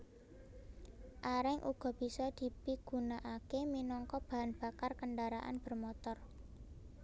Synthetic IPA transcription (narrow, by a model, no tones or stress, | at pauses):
ʔaɾɪŋʔṵɡ̥ɔ̤b̥i̤sɔd̪̥i̤piɡ̥ṳnaʔakeminɔŋkɔb̥a̤ɦanb̥a̤karkəɳɖaɾaʔa̰nb̥ə̤rmɔt̪ɔr